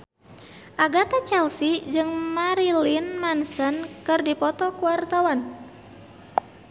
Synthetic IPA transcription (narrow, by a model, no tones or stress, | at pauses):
ʔaɡat̪at͡ʃɛlsid͡ʒɨŋmaɾilinmansənkɨrdipɔt̪ɔkuwart̪awan